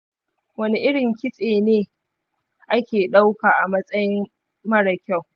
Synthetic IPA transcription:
wɐ˦ni˦ʔɪ˦ɽɪ˨ŋkʲɪ˦sʼeː˨neː˦ | ʔa˦kʲeː˨ɗa˦wkaː˨ʔa˨mɐ˦sʼɐ˦jɪ˦m | mɐ˦ɽɐ˨kʲa˦˨w

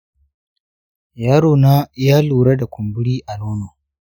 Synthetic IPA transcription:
jaː˦ɾoː˨naː˦jaː˦luː˨ɾa˦da˨kʷʊ˨mbʊ˦ɽiː˦ʔa˨loː˦no˨

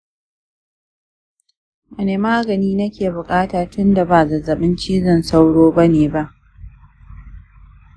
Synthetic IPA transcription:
mɐ˨neː˨maː˦ɡɐ˨niː˦nɐ˦kʲeː˨bʊ˨kʼaː˦taː˨tʊ˦nda˨ba˨zɐ˨zɐ˨ɓɪ˦nt͡ʃiː˦zɐ˦˨nsa˦wɽoː˦ba˦neː˨ba˦ʔ

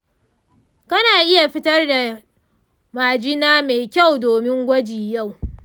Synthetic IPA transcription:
kɐ˦naː˨ʔɪ˦ja˨ɸɪ˦tɐ˦rda˨ | maː˨d͡ʒɪ˦naː˦meː˨kʲa˦˨wdoː˨mɪ˦ŋɡʷɐ˦d͡ʒiː˨ja˦˨w

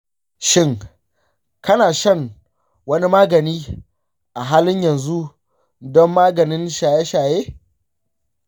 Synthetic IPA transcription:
ʃɪ˦ŋ | kɐ˦naː˨ʃɐ˦˨ŋ | wɐ˦ni˦maː˦ɡɐ˨niː˦ | ʔa˨ɦaː˦lɪ˦ɲjɐ˨nzu˦ | dɔ˦mːaː˦ɡɐ˨nɪ˦nʃaː˨je˦ʃaː˨jeː˦

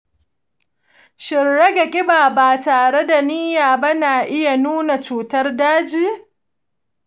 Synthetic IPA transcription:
ʃɪ˨ɽːe˦ɡa˨kʲʼɪ˦baː˨baː˨taː˨ɽe˦da˨niː˦jaː˨ba˦naː˨ʔɪ˦ja˨nuː˦na˨t͡ʃuː˨tɐ˦rdaː˦d͡ʒiː˦˨

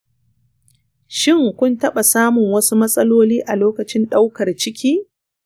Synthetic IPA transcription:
ʃɪ˦˨ŋkʷʊ˦ntɐ˦ɓa˨saː˦mʊ˨ŋwɐ˦su˦mɐ˦sʼɐ˦loː˦liː˦ʔa˨loː˦kɐ˨t͡ʃɪ˦nɗa˦wkɐ˨rt͡ʃɪ˦kʲiː˦

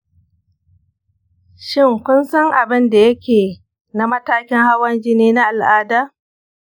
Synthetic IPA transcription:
ʃɪ˦˨ŋkʷʊ˦nsɐ˦ŋʔa˨bɪ˦nda˨jɐ˦kʲeː˨ | na˨˦mɐ˦taː˦kʲɪ˦ŋha˦wɐ˦nd͡ʒɪ˦neː˦na˦ʔa˨lʔaː˦daː˦

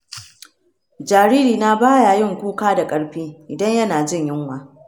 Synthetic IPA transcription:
d͡ʒaː˨ɾiː˦ɾiː˨na˦baː˦ja˨jɪ˦˨ŋkʷuː˦kaː˦da˨kʼɐ˦ɽɸiː˦ʔɪ˨dɐ˦ɲjɐ˦naː˨d͡ʒɪ˦˨ɲjɪ˦ŋwaː˨

